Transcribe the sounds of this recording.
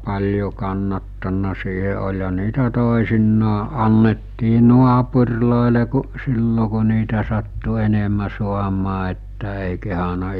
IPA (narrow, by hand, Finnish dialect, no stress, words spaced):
pɑlʲjo kɑnːɑtːɑnːɑ siːhe olʲhɑ niːtæ toˑesinːɑː ʔɑnːetːiː nuɑpurʲloˑele ku silːo ku̞ niːtæ sɑtːu enemæ suɑmɑː etːæ eˑi kehɑnɑ